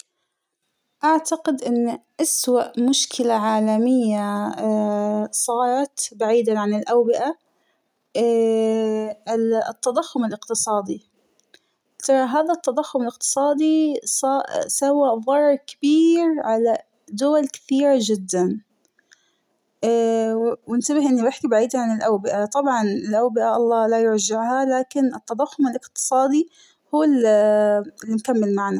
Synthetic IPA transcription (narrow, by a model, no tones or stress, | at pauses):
ʔaʕt̪aqɪd̪ʔɪnːʔaswaʔmʊʃkɪlaʕaːlamɪjːa | sˤɑːɾˤɑt̪baʕiːd̪aʕanɪlʔawbɪʔa | t̪ːɑd̪ˤɑxːʊmɪlɪqt̪ɨsˤɑːd̪i | t̪ɑɾˤɑɦaːðat̪ːɑd̪ˤɑxːʊmɪlɪq̚t̪ɨ̥sˤɑːd̪isɑsawaðˤɑɾˤɾˤkɪ̥biːɾʕala | d̪ʊwalkɪ̥θiːɾad͡ʒɪd̪ːan | wɪnt̪abɪhʔɪnːibɪħkibaʕiːd̪aʕanɪlʔawbɪʔat̪ˤɑbʕɑnɪlʔawbɪʔaʔɑlˤːɑːlajʊɾˤd͡ʒɪʕhalaːkɪnɪt̪ːɑd̪ˤɑxːʊmɪlʔɪqt̪ɨ̥sˤɑːd̪i | huːl | lːimkamːɪlmaʕna